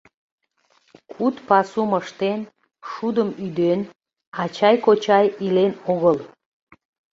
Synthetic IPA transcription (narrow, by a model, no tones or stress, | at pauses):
kʰut̪pɑsuməʃt̪en | ʃud̪əmyd̪en | ɑt͡ɕɑjkot͡ɕɑjilenoɣəl